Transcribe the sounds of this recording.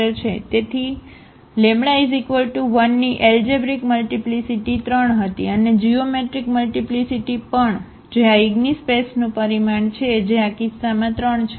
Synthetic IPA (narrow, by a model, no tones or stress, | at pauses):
əɾt͡ʃʰet̪et̪ʰi | lemɽaizikʋəlʈuʋənːiʔeld͡ʒebɾikməlʈiplisiʈit̪ɾəɳɦət̪ḭəned͡ʒiomeʈɾikməlʈiplisiʈipəɳ | d͡ʒeaiɡnispesnũpəɾimaɳt͡ʃʰed͡ʒeakisːamãt̪ɾəɳt͡ʃʰe